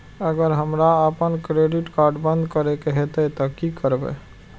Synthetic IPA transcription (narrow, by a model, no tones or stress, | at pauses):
əɡəɾɦəmɾaəpənkɾeɖiʈkaɾɖbənd̪kəɾekeɦet̪ət̪ɔkikəɾbɛ̰